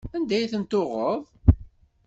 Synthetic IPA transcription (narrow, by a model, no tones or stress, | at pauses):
ænd̪æjθənt̪ːoʁəðˤ